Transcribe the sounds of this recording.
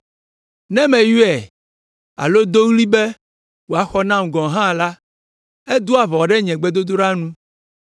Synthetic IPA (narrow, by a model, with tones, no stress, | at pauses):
nɛ̃˦mɛ̃˨ju˦ɛ˨ | a̰˨lo˦d̪o˦wli˦bɛ˦ | wo˨a˨xɔ˦nã˦m˨ɡɔ̃˨ɦã˦˨la˦ | e˦d̪o˦a˨vɔ˨ɖɛ˦ɲɛ̃˨ɡ͡bɛ˦d̪o˦d̪o˦ɖa˦nũ˦